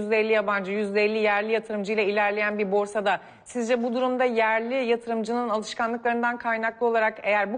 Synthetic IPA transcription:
zd̪ɛelʲːijaband͡ʒɯjyzd̪ɛelʲːijæɾlʲijat̪ʰɯɾɯmd͡ʒɯjlˠailʲæɾlʲe̞jænbiɾbo̞ɾsad̪a | sizd͡ʒɛbud̪uɾumd̪ajæɾlʲijat̪ʰɯɾɯmd͡ʒɯnɯnalˠɯʃkanlˠɯklˠaɾɯnd̪ankʰajnaklˠɯo̞lˠaɾake̞jæɾbu

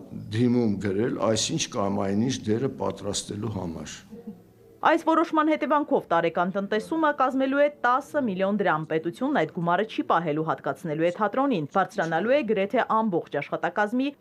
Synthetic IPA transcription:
d̪imumɡəɾɛlɑ̰jsint͡ʃʰkɑmɑjniʃd̪ɛɾəpɑ̰t̪ɾɑst̪ɛluɦɑ̰mɑ̰ɾ | ɑjsvɔɾɔʃmɑnhɛt̪ɛvɑŋkʰɔvt̪ɑɾɛkɑnt̪ənt̪ɛsuməkɑzmɛluɛt̪ɑsəmiljɔnd̪əɾɑmpɛt̪ut͡sʰjunːɑjt̪ɡumɑɾət͡ʃʰipɑɦɛluɦɑt̪kɑt͡sʰnɛluɛt̪ʰɑt̪ɾɔninb̥ɑɾt͡sʰɾɑnɑluɛɡəɾɛt̪ʰɛʔɑmbɔχt͡ʃʰɑʃχɑt̪ɑkɑzmi

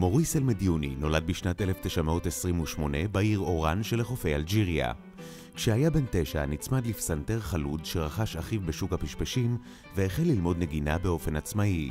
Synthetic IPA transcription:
mo̞ʁiselmed̪ijunḭno̞lad̚biʃnate̞left̪eʃameotesʁimuʃmo̞ne̞baiʁo̞ʁanʃeleχofe̞jald͡ʒiʁja̰ | kʃehajabe̞nte̞ʃanit͡smad̪lifsant̪e̞ʁχaludʃe̞ʁaχaʃaχivbe̞ʃukhapiʃpeʃim | veːχelːilmo̞dne̞ɡinabe̞o̞fe̞nat͡smai

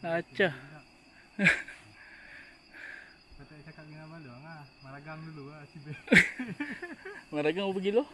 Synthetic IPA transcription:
at͡ʃa | pat̪asakat̪̚iŋabaluaŋamaɾaɡaŋduluasibe | maɾaɡaŋobaɡilo

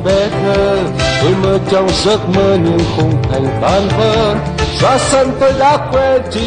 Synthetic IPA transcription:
ɓɛt̪ʰəːteməːt͡ɕɔŋ͡mzət̚məːɲɨŋxʊŋ͡mt̪ʰajŋ̟t̪aːnvəː | zaːsənt̪ojɗaːkwɛt͡ɕi

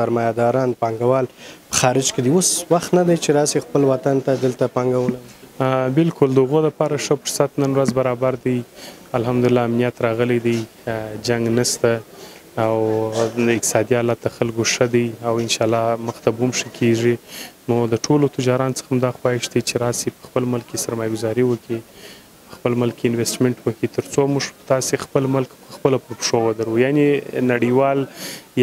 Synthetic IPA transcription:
saɾmɑjad̪ɑɾɑnpɑŋɡawɑlpə̥xɑɾɪd͡ʒked̪iwoswaxt̪nad̪ajt͡ʃeɾɑsixpəlwat̪ant̪ad̪əlt̪apɑŋɡawənabɪlkʊld̪əʊɣoləpɑɾaʂəfʊɾsat̪nənwɾazbaɾɑbaɾd̪əjalɦamd̪ʊlɪlːɑːmnijat̪ɾɑɣəled̪əj | d͡ʒaŋɡnəst̪aː | wd̪əɪk̚t̪ɪ̥sɑd̪iɑlat̪̚d̪əxalɡoʂəd̪əjawɪnʃɑlɑməxt̪abumʂəkʰeʐinod̪əʈʰolot̪ɪd͡ʒɑɾɑnot͡sə̥xamd̪ɑxwɑɪʃd̪ət͡ʃeɾɑsipə̥xpəlməlkkesaɾmɑjaɡʊzɑɾiwəkʰi | pəxpəlməlkeɪnwesʈmeɳʈwəkit̪əɾt͡somuʐt̪ɑsexpəlməlkpəxpəlapəɾpʂowəd̪aɾujanenaɽiwɑlj

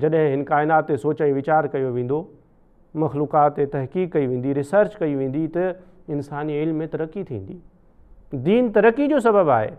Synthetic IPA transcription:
d͡ʑɐɗɦɪ̃ɦɪnkaːɪnaːt̪ːesoːt͡ɕaĩʋɪt͡ɕaːɾkɐjoʋẽːn̆d̪o | mɐxluːkaːt̪ːet̪ɐɦkiːkːɐiʋẽːn̆d̪iɾɪsəɾt͡ɕkɐiʋẽːn̆d̪it̪ɐ | ɪnsaːniɪlmːẽt̪ɐɾəkːit̪ʰḭ̃ːn̆d̪iː | d̪iːnt̪ɐɾəkːid͡ʑoːs̬ɐbəbaːɦḛː

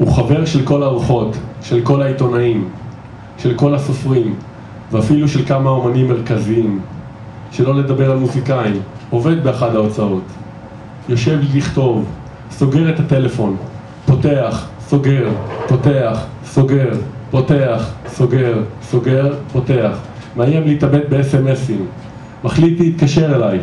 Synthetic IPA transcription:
uχave̞ʁʃe̞lko̞laʁuχo̞tʃe̞lko̞laito̞naim | ʃe̞lko̞laso̞fʁim | veafiluʃe̞lkamao̞manimːe̞ʁkaziim | ʃe̞lo̞le̞d̪abe̞ʁalmuzikaimo̞ve̞d̪̚beaχadhaot͡sao̞t | jo̞ʃe̞vlliχto̞v | so̞ɡe̞ʁet̪ate̞le̞fo̞n | po̞te̞aχso̞ɡe̞ʁpo̞te̞aχ | so̞ɡe̞ʁpo̞te̞aχso̞ɡe̞ʁso̞ɡeʁpo̞te̞aχ | meajemliitabe̞t̚beesemesim | maχlit̪liːt̪kaʃe̞ʁelaj

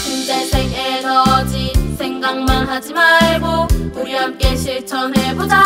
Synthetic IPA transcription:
t͡ɕund͡ʑesʰeŋenʌd͡ʑisʰe̞ŋɡaŋmanɦad͡ʑimaɭɡouɾamk͈eɕʰiɭt͡ɕʰʌnɦebod͡ʑa

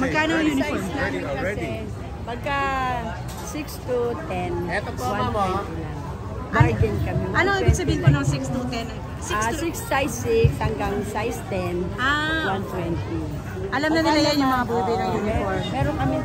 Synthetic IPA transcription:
mɐɡ̚kaːnojuːnɪsnaːmɪnkɐɛ | pɐɡ̚ka | sɪkst̪ut̪ɛnɛt̪owwaɛt̪ɪlaŋ | dajɡɛnkɐmɪɐnoŋɪbɪɡsɐbiːhɪnponosɪkst̪ut̪ɛn | sasɪkssajsɪkshɐŋɡaŋsajst̪ɛnawant̪wɛnt̪i | ʔɐlamnɐnɪlajanjʊŋmɐŋabubɪjnɐŋjunɪfoɹmɛːɾonkɐmɪ

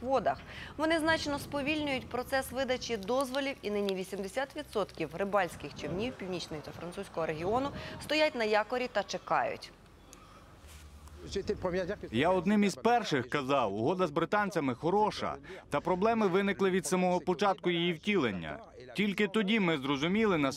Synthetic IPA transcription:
ʋɔd̪ɐxʋɔnɪznɑt͡ʃnɔspɔʋʲilʲnʲʊjʊtʲpɾɔt̪sɛsʋɪd̪ɐt͡ʃʲid̪ɔzʋɔlʲiwinɪnʲiʋʲisʲimd̪esʲat̪ʋʲid̪sɔt̪kʲiwɾɪbɑlʲsʲkɪxt͡ʃɪʋnʲiwpʲiwnʲit͡ʃnɔjɔt̪ɐfɾɐnt̪susʲkɔɦɔɾeɦʲiɔnʊst̪ɔjat̚ʲnɐjɑkɔɾʲit̪ɐt͡ʃekɑ̰jʊ̰tʲ | jaɔd̪nɪmizpɛrʃɪxkɐzɑwʊɦɔd̪ɐzbɾɪt̪ɑnʲt͡sʲɐmɪxɔɾɔʃɐ̰t̪ɐpɾɔblˠɛmɪʋɪnɪklˠɪʋʲid̪sɐmɔɦɔpɔt͡ʃɑt̪̚kʊjijiwtʲilˠenʲːɐ̰ | tʲilʲkɪt̪ɔdʲimɪzɾɔzʊmʲilˠɪnɐ

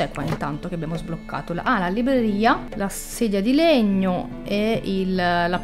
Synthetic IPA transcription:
ɛkwa̰int̪ant̪ok̟eabjaːmozblokːa̰ːt̪olʔalalibɾeɾiːala | seːd̪jad̪ileɲːo | eilla

